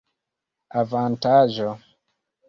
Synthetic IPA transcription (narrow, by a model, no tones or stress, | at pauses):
avantaʒo